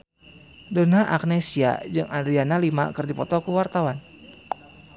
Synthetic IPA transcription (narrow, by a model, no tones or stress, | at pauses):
donɦaʔak̚nesia̰d͡ʒɨŋadɾianalima̰kɨrdipɔt̪ɔkuwart̪awan